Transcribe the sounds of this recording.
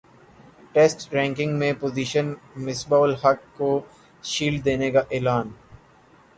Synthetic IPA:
ʈeːsʈɾɛ̃ːŋkɪ̃ŋɡmẽpoːziːʃənmɪsbaːlhɐkːo | ʃiːl̚d̪eːnekaʔeːlaːn

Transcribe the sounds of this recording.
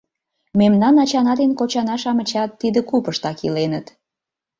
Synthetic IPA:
memnɑnɑt͡ɕɑnɑd̪enkot͡ɕɑnɑʃɑmə̆t͡ɕɑt̪ːid̪ə̆kupəʃt̪ɑkilenət̪

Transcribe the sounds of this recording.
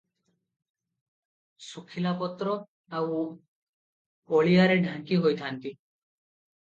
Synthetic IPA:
sukʰilapɔt̪ɾɔ | aw | oɭijaɾeɖʱãŋkiɦojt̪ʰant̪i

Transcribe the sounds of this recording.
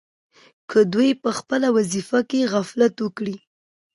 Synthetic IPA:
kʰəd̪ujpəxpəlawazifakeɣaflat̪wəkɽi

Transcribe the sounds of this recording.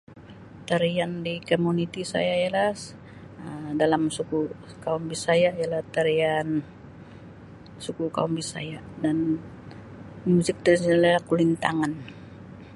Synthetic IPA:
t̪aɾiandikomunit̪isa̰jaijala | ədalamsuku | kaumbisajaijalaht̪aɾian | sukuka̰umbisa̰ja | dan | musɪk̚t̪aɾansalalahkulint̪a̰ŋan

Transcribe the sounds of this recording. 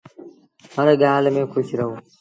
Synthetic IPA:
ɦəɾɠaːlmẽːkʰʊʃɾɐɦoː

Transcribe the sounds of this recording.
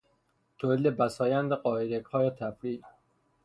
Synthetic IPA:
t̪ʰolid̪ebæsɒːjænd̪eɢɒːeɾekhɒːjet̪ʰæfɾiː

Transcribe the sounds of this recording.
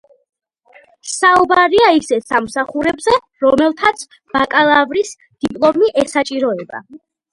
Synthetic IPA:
saubaɾiaisɛsamsaχuɾɛbzɛ | ɾɔmɛlˠt̪ʰat̪sʰ | b̥akʼalˠavɾis | d̪̥ipʼlˠɔmiʔɛsat͡ʃʼiɾɔɛba̰

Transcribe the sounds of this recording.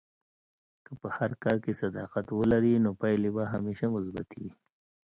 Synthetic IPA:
kəpəhaɾkɑːɾkesad̪ɑqat̪wəlaɾinopajlebaɦameʃamʊzbat̪ʰii

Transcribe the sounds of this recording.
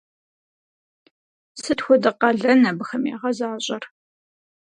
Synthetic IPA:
sɨtxʷɔdɨqɐɮɐnɐbɨxɐmḛːʁɐzaːɕʼɐr

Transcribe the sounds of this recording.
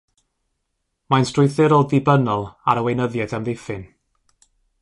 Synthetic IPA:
majnstrʊjθɪɾɔːdðɪbənɔlˠa̰ɾəwejnəðjɛdamðɪfɪn

